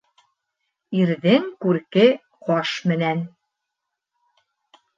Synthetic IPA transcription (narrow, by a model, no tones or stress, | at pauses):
iɾðɘŋkʉɾkɘ | qɒʃmɘ̆næn